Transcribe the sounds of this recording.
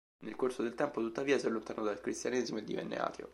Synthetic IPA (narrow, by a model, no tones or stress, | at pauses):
nelkorsod̪elt̪ɛmpot̪ut̪ːaviːasalːont̪aːnod̪alkɾist̪janeːzimoed̪ːḭvɛ̰nːḛa̰ːt̪ʰjo̰